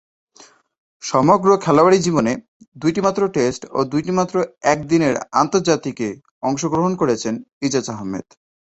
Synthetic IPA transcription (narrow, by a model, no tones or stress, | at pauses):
ʃɔmoɡɾokʰɛlawaɽid͡ʑibone | d̪ujʈimat̪ːɾoʈesʈo̰d̪ujʈimat̪ːɾoɛk̚d̪ineɾa̰nt̪oɾd͡ʑat̪ike | ɔŋʃoɡɾoɦonkoɾet͡ɕʰenid͡ʑat͡ɕaɦɔmːḛd̪̥